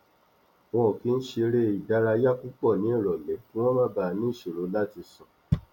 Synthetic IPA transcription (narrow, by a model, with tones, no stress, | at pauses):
w̃ɔ̃˧˨ki˨˦n̩˦ʃe˧ɾe˦˨i˨da˧ɾa˧˦ja˦ku˦k͡pɔ˦˨nĩ˨˦i˦˨ɾɔ˨lɛ˨˦ki˦w̃ɔ̃˦mã˦ba˧˨˧nĩ˦˨ʃe˨ɾo˨˦la˦ti˧sɔ̃˨